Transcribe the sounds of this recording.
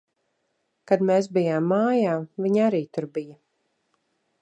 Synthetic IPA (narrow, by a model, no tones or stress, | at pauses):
kad̪meːs̬bijaːmːaːjaːviɲaɾiːt̪uɾbijɐ